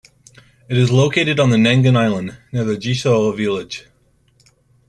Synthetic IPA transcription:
ɨɾɨzloʊkʰeɪɾɨɾn̩ðɨnæ̃ŋɡɨ̃naɪlˠə̃nnɪɹðɨd͡ʒisoʌvɪlˠɪd̥ʒ̥

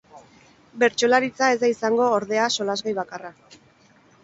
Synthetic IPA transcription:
be̞ɾt͡ʃo̞laɾit͡sae̞zd̪aisaŋɡo̞ːɾð̞e̞aso̞lazɣajβakara

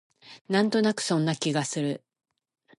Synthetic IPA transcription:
nãnt̪o̞nakɯ̟̥sõ̞nːakʲiɡasɨɾɯ̟

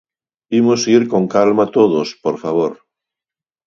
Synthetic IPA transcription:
imosiɾkoŋkalmat̪oðospoɾfaβ̞oɾ

